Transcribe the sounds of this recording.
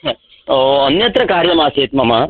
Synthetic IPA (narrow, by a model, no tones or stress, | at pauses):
oɐnjɐt̪ɾɐkaːɾjɐmaːseːt̪̚mɐma